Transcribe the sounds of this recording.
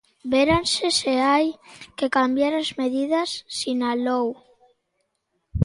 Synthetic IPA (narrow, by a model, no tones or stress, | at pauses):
beɾanseseajkekambjaɾazmeðiðɐsːinalow